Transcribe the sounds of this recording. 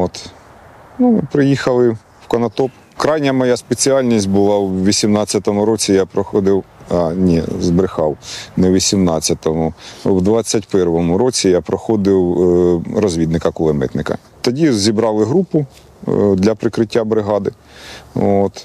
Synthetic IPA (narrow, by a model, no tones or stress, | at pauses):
ot̪ | numɪ̰pɾɪjixɐlˠɪ | wkɐnɐt̪ɔp | kɾɑjnʲɐmɔjaspet͡sʲiɑlʲnʲisʲt̚ʲbʊlˠɑwʋʲisʲimnɑt͡sʲːɐt̪ɔmʊɾɔt͡sʲijapɾɔxɔd̪ɪwɑnʲḭzbɾɪxɑwnɛwʋʲisʲimnɑt͡sʲːɐt̪ɔmʊwd̪ʋɑt͡sʲːɐtʲpɛrʋɔmʊɾɔt͡sʲijapɾɔxɔd̪ɪw | ɾɔzʲʋʲid̪nɪkɐkʊlˠɛmɪ̰t̪nɪkɐ̰ | t̪ɐdʲizʲibɾɑlˠɪɦɾupʊ | d̪lʲɐpɾɪkɾɪtʲːabɾɪɦɑd̪ɪ | ot̪